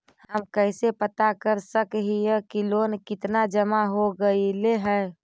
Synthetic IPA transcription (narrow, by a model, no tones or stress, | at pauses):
hɦəmkɛɪsepət̪akəɾsəkɦiɛkiloːnkɪt̪nad͡ʒəmaɦoɡəileɦɛ